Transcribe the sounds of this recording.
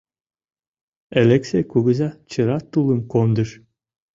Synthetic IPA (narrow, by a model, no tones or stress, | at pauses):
elʲeksʲekuɡɘ̆zɑt͡ɕɤ̆ɾɑt̪ulˠəmkond̪ə̆ʃ